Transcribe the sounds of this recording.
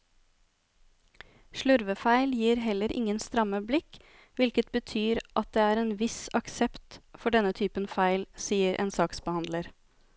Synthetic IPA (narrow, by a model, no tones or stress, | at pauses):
ʃɭʉɾʋəfæɪljiːɾɦɛlːəɾʔɪ̰ŋənst̪ɾɑməblɪk | ʋɪlkət̪̚bət̪ʰyːɾʔɑt̪̚d̪eːæːɾeːnʋɪsɑksɛpt̪fɔɖɛnət̪ʰyːpənfæɪlsiːəɾʔḛːnsɑːksbəhɑnd̪ləɾ